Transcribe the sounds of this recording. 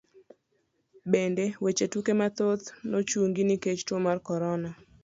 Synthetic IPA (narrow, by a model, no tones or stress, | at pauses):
bendewet͡ʃetukemat̪ot̪not͡ʃuŋɡiniket͡ʃtomarkɔɾɔna